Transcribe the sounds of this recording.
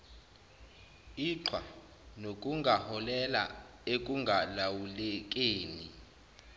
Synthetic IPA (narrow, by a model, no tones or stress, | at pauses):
iǁʰwa | nok̬ʼuŋɡʱahɔlɛla̰ | ek̬ʼuŋɡʱalawulɛk̬ʼeːni